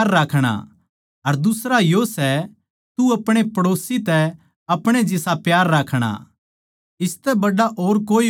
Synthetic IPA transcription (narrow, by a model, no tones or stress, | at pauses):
ɾːaːkʰɽ̃a̰ | ɐɾd̪ʊsɾajosɛ | t̪uɐpɽ̃epɐɽoːsit̪ɛ | ɐpɽ̃ed͡ʒɪsapjaːɾːaːkʰɽ̃a̰ | ɪst̪ɛbɐɖaʔoːɾkoːi